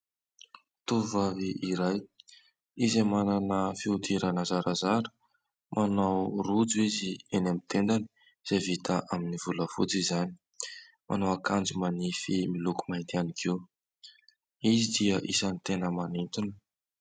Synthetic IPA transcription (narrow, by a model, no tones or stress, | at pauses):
t̪uvaviʔiɾaj | izemananəfiud̪iɾanəzaɾazaɾə̥ | mʔanawrud͡zuizienamit̪end̪ani̥ | z̥evit̪ʰaʔaminivuləfṵt͡sizani̥ | mʔa̰nawakand͡zumanifimiluku̥maint̪ianikʰiw | izid̪iəʔisanit̪enəmanint̪unə̥